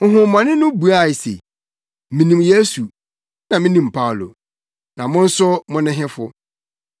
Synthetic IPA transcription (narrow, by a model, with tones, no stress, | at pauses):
ŋ̩˨ɦʊ̃˨m˦mã˨nɪ̃˦nʊ̃˦bu˨a˨sḛ˨ | mĩ˨nĩ˨mje˦su˨ | nã˨mɪ̃˦nĩ˨m˨pʰa˦˨lo̰˨ | nã˨mʊ̃˦n̩˦sʊ˦mʊ̃˦nɪ̃˦ɦɪ̃˦fʊ˦